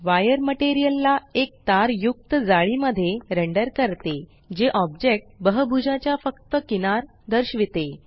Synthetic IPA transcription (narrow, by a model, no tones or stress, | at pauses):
ʋajəɾməʈeɾijəlːaek̚t̪aɾjuk̚t̪əd͡zaɭiməd̪ʱːjeɾəɳɖəɾkəɾt̪e | d͡ʑeʔɔbd͡ʑek̚ʈ̚bəɦəbʱud͡ʑat͡ɕjafəkt̪əkinaɾ | d̪əɾɕʋit̪e